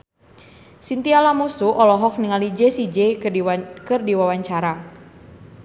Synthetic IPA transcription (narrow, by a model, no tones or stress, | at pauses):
sint̪ialamusuʔɔlɔɦɔk̚niŋalid͡ʒɛsid͡ʒɛ | kɨrdiwawaɲt͡ʃaɾa